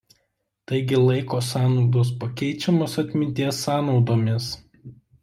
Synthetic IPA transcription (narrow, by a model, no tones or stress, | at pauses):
t̪ɐɪɡʲɪlˠɐɪkoːsɑːnɒʊd̪oːs̬pɐkʲɛɪt͡ʃʲɛmoːsɐt̪ʲmʲɪnʲt̪ʲiɛsːɑːnɒʊd̪oːmʲɪs